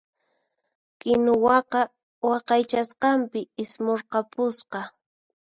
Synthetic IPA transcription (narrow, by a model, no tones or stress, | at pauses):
kɪnʊwɑqɑ | wɑqɑjt͡ʃasqɑmpɪɪsmoɾqɑpʊsqɑ